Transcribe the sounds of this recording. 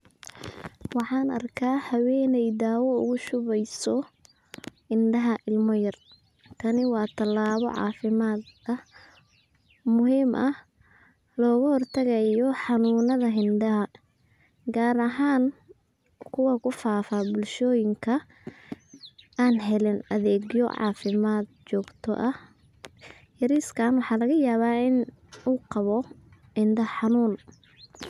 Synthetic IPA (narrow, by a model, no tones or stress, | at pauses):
wɑħɑːnɐ̰rkʰaːhɐwɛːnɛjd̪aːwɔʊ̰ɣʊʃʊβɛjsɔ | ʔɪnɖɐɦɐʔɪlmɔjɐr | kʰɐnɪwɑːt̪ʰɐlaːβɔ̰ʕɑ̰ːfɪmaːd̪ɐ | mʊɦiːmʔɐh | lɔːɣʊhɔrt̪ʰɐɣɐjɔħɑnuːnɐðɐɦɪndɐɦɐ | ɡaːɾɐɦaːn | kʰʊwɐkʰʊfaːfabʊlʃɔːjɪŋkʰɐ | aːnɦɛlɪnɐðɛːɡjɔ̰ʕɑ̰ːfɪmaːd̪̚t͡ʃɔːɡt̪ʰɔ̰ʔɐh | hɪɾiːskʰaːnwɑħɑːlɐɣɐjaːβaːɪn | uːqɑβɔ | hɪnd̪ɐħɑnuːn